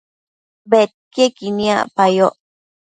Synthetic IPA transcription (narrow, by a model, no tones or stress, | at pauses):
bet̪̚kekinĩa̰pajoʔ